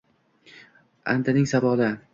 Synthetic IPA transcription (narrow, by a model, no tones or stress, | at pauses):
a̰nt̪ʰanɪŋsabɒla